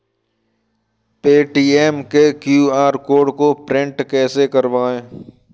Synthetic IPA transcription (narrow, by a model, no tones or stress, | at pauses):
peːʈiːɛːmkekjuːaːɾkoːɖkopɾɪ̃ɳʈkɛːsekəɾʋaːẽː